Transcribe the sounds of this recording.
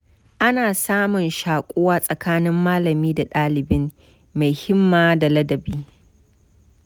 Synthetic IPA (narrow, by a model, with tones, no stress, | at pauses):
ʔa˦naː˨saː˦mʊ˨nʃaː˨kʷʼoː˦waː˦sʼɐ˨kaː˦nɪ˦mːaː˦lɐ˨miː˦da˨ɗaː˦lɪ˨bɪ˦m | ma˨jhɪ˦mːaː˦da˨lɐ˦dɐ˨biː˦